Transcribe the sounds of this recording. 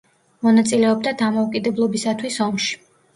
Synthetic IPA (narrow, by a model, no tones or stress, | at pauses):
mɔnat̪sʼilɛɔbd̪ad̪amɔukʼid̪ɛblˠɔbisat̪ʰwisɔmʃi̥